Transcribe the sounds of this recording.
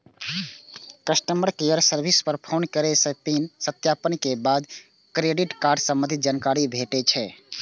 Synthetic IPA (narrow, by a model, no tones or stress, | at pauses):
kəsʈəmbəɾkejəɾsəɾbʱispəɾpʰoːnkəɾesəpinsət̪japənkebad̪ | kɾeɖiʈkaːɾɖsə̃mə̃nd̪ʱid͡ʒaːnkaɾibʱeʈet͡ʃʰɛ